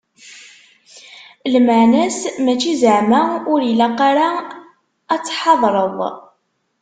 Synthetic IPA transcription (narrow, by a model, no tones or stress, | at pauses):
lməʕnæsmæt͡ʃːizəʕmæʊɾilaqaɾa | æt͡sːħɑðˤɾˤəðˤ